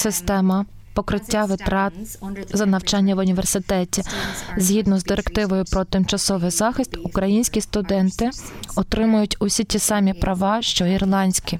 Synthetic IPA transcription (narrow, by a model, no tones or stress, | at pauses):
sɪst̪ɛmɐ | pɔkɾɪtʲːaʋɪt̪ɾɑzɐnɐwt͡ʃɑnʲːɐʋʊnʲiʋersɪt̪ɛtʲizʲɦʲid̪nɔzd̪ɪɾekt̪ɪʋɔjʊpɾɔt̪ɪmt͡ʃɐsɔʋɪjzɑxɪst̪ʊkɾɐjinʲsʲkʲist̪ʊd̪ɛnt̪ɪɔt̪ɾɪmʊjʊtʲʊsʲitʲisɑmʲipɾʔɐʋɑʃt͡ʃɔirlˠɑnʲsʲkʲi